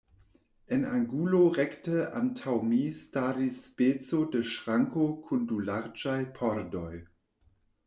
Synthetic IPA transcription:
ena̰ŋɡuloʁɛktəʔa̰ntʰawmistaɾisːpet͡sodəʃʁaŋkokʰundulaʁd͡ʒajpʰoɾdoj

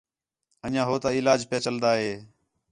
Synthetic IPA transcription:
əɲãːɦoːt̪aːɪlaːd͡ʒpɪjaːt͡ʃəld̪aːɦeː

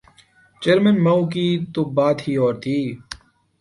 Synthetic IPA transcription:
t͡ʃeːɾmənmɐːukiːt̪obaːt̪hiːɔːɾt̪ʰiː

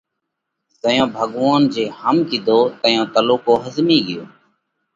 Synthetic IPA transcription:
zəjõːbʱəɠʋaːnd͡ʒeːhəmkid̪ʱoːt̪əjõːt̪əloːkoːɦəzmiːɡɪjoː

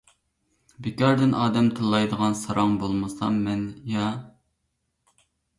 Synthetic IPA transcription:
bekʲɑɾd̪ɪnʔɑːd̪ɛmt̪ʰɨlˠːɑjd̪əʁɑnsɑɾʔɑŋbolˠmɨsɑ̰mːɛnjɑ

